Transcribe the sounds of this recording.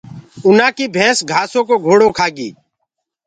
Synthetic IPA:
ʊnãːkiːbʱẽːsɡʱaːsõːkoːɡʱoːɽoːkʰaːɡiː

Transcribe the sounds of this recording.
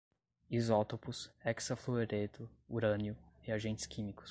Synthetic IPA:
izɔt̪opʊsɛksafloeɾet̪ʊuɾɐ̃njʊiaʒẽnt͡ʃɪ̥skʰĩmikʊ̥s

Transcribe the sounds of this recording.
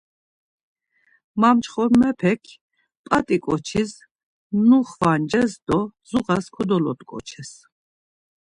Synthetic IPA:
mamt͡ʃʰχɔɾmɛpʰɛkʰ | pʼat̪ʼikʼɔt͡ʃʰis | nuχvand͡ʒɛsd̪ɔzuʁaskʰud̪ɔlɔ̰t̪ʼkʼɔ̰t͡ʃʰɛs

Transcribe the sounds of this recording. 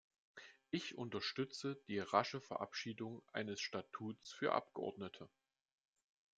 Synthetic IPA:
ʔɪçʔʊntɐʃtʏt͡səd̥iːʁaʃəfɛɐʔa̰pʃiːdʊŋʔa̰ɪnəsʃtatʰuːt͡sfyːɐʔa̰p̚ɡ̥əʔɔ̰ɐdnətʰə

